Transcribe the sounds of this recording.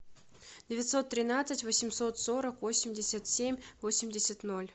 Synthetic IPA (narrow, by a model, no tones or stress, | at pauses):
dʲɪvʲɪt̪ʲso̞t̪ːɾʲɪnat̪sɨtʲvosʲɪmʲso̞t̪so̞ɾəkvosʲɪmʲdʲɪsʲat̪sʲemʲvosʲɪmʲdʲɪsʲət̪no̞lʲ